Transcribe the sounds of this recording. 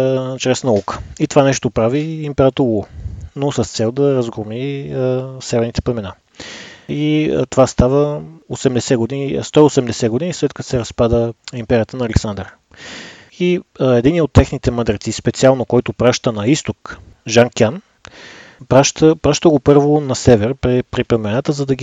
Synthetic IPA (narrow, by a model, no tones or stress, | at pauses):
t͡ʃɾɛsnɐukə̥it̪ovanɛʃt̪opɾaviimpɛɾət̪uonosəst̪sɛlˠd̪ɐɾəzɡɾomi | sɛvɛɾnit̪ɛ̥plɛmɛna | it̪ovast̪avəosɛmd̪ɛsɛɡod̪ist̪ɔiosɛmd̪ɛsɛɡod̪inislɛt̪kət̪sɛɾɐspad̪əimpɛɾʲiət̪ənɐːlɛksand̪əɾ | iɛd̪iniɛot̪ːɛxnit̪ɛməd̪ɾɛt̪sispɛt̪sialˠnokɔjt̪opɾaʃt̪ənɐist̪ok | ʒaŋkʲan | pɾaʃt̪əpɾaʃt̪əɡopɤɾvonɐsɛvɛɾpɾɛpɾiplɛmɛnat̪əzɐd̪ɐɡi